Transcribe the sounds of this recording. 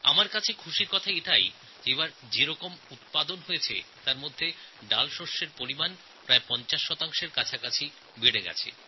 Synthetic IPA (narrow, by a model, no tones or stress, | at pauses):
a̰maɾkat͡ɕʰekʰuʃiɾkɔt̪ʰaiʈ̪ʰaj | d͡ʑeβaɾd͡ʑeɾɔkomut̪̚pad̪onɦojet͡ɕʰḛt̪aɾmod̪ʱːeɖalʃoʃːeɾpoɾiman | pɾaepɔnt͡ɕaʃːɔt̪aŋʃeɾkat͡ɕʰakat͡ɕʰi | beɽeɡɛ̰t͡ɕʰḛ